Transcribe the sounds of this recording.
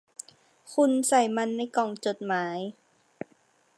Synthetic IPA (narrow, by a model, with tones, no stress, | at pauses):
kʰu˧nsa˨˩jma˧nːa˧jkɔː˨˩ŋt͡ɕo˨˩t̪̚maː˩˦j